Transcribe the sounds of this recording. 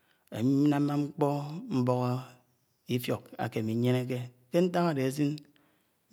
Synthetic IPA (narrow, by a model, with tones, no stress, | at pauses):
ḛ˨mi˦i˦na˦a˦ŋ͡m̩˦k͡pɔ˦m̩˦bo˦ɣo˦ | i˦fjo˨ka̰˨ke˨mi˨˦ɲe˦ne˦k̬e˦ | ke˦n̩˦ta˦ŋa˨de˨e˨zi˦n